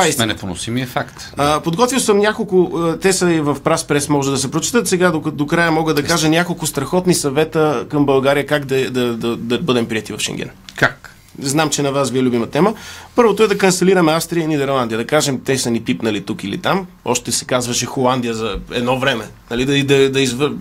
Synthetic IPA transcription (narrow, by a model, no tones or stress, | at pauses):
aisnɛpono̰simiəfakt̪ | əpod̪ɡɔt̪vilˠsəmnʲakolˠkʊt̪ɛsəivɐfpɾaspɾɛsmɔʒɛd̪ɐsɛpɾot͡ʃi̥t̪ət̪sɛɡad̪od̪okɾajəmɔɡəd̪ɐkaʒənʲakolˠkʊst̪ɾɐxɔt̪nisɐvɛt̪əkɐmbɐlˠɡaɾijəkaɡd̪ɐd̪ɐd̪ɐd̪ɐbɤd̪ɛmpɾiɛt̪ivɐfʃɛ̰ŋɡʲɛ̰nkak | znamt͡ʃɛnɐvasviɛlubimɐt̪ɛməpɤɾvot̪ʊɛd̪ɐkɐnsɛliɾɐmɛafst̪ɾiəinid̪ɛɾlˠand̪iəd̪ɐkaʒɛmt̪ɛsɐnipipnɐlit̪ukilḭt̪am | ɔ̰ʃt̪ɛsɛ̥kazvɐʃɛxolˠand̪ijəzɐɛ̰d̪nɔvɾɛmɛnɐlid̪ɐid̪ɐd̪ɐizv